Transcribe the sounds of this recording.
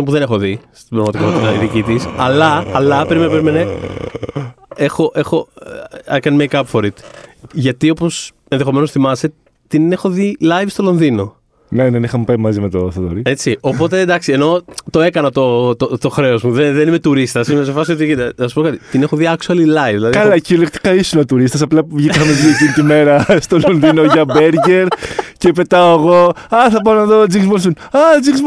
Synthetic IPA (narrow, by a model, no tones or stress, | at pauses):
ompuðene̞xoðist̪ibɾɐɣmɐt̪ikot̪it̪ɐiðicit̪isɐlɐɐlɐpɾimepeɾime̞ne̞ | e̞xo̞ʔe̞xo̞ | ekɐnimejkɐpfoɾit̪ʝɐt̪io̞po̞s | enðe̞xo̞me̞nosθimɐse̞ | t̪ine̞xo̞ðilɐjvst̪o̞lo̞nðino̞ | nenenixɐmupɐjmɐzimet̪oθt̪oɾie̞t͡sio̞po̞t̪e̞d̪ɐksieno̞t̪o̞e̞kɐnɐt̪o̞t̪ot̪o̞xɾe̞o̞zmuðeðenime̞t̪uɾist̪ɐsimesefɐsiot̪iit̪θɐsu̥po̞kɐt̪i̥t̪ine̞xoðiɐksuɐlilɐjvðilɐðikɐlɐciolekxt̪i̥kɐisunɐt̪uɾist̪ɐsɐplɐpuvʝik̪ɐmɐziecinit̪ime̞ɾɐst̪o̞lonðino̞ʝɐbe̞ɾʝeɾce̞pe̞t̪ɐoeɣo̞ɐθɐp̬ɐonɐðod͡zikzbons̬onɐd͡zikz